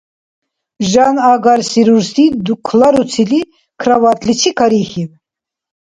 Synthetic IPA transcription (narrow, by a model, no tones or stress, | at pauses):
ʒanaɡaɾsiɾuɾsid̪ukʰlaɾut͡sʰili | kʰɾavat̪ʼlit͡ʃʰikʰaɾixiv